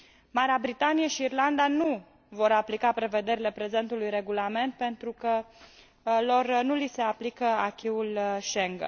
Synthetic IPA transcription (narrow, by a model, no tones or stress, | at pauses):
maɾeabɾit̪anijeʃiːrland̪anu | vo̞ɾaplikapɾe̞ve̞d̪e̞ɾile̞pɾe̞ze̞nt̪ulujɾe̞ɡulame̞nt̪̚pe̞nt̪ɾukə | lo̞rnulise̞aplikəakʲiulʃe̞ŋɡə̰